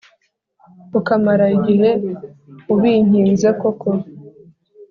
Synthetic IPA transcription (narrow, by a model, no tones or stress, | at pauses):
ukamaɾaiɡiɦe̞ | uβiːɲ̥iːnzekokʰoɾ